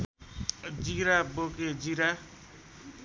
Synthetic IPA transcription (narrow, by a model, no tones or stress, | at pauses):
d͡ziɾaboked͡ziɾa